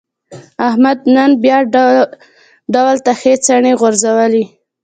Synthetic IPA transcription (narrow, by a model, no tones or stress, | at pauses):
ahmad̪̚nənbjɑ | ɖawlt̪axet͡saɳeɣʊɾzawəli